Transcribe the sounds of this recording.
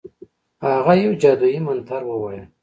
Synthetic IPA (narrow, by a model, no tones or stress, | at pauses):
haɣajewd͡ʒɑd̪ujimant̪ʰaɾwəwajə